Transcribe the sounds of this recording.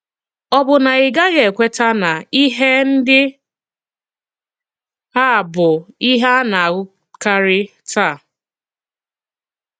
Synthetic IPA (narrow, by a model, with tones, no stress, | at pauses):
ɔ˦bʊ˨na˨ɪ˨ɡa˦ɣe˨kʷe˦ta˦na˨i˦ɦe˦n̩˦dɪ˦ | a˦˨bʊ˨i˦ɦa˦na˨ɣʊ˦ | ka˦ɾɪ˦tʰa˦˨